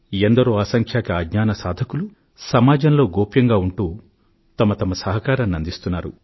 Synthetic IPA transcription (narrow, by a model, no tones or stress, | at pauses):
end̪ɐɾoːɐsɐŋkʰjaːkiaːɡɲaːnɐsaːd̪ʱɐkulu | sɐmaːd͡ʒɐnlo̞ːɡoːpjɐŋɡaːuɳʈuː | t̪ɐmɐt̪ɐmɐsɐɦɐkaːɾɐmnɐnd̪ist̪unːaːɾṵ